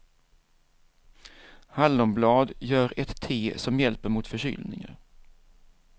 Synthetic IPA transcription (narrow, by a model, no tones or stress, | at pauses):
halːʊmblɑːd̪jœːɾɛt̪ʰːeːsɔmjɛlpəɾmʊt̪fœɕy̰ːlnɪ̰ŋə̰ɾ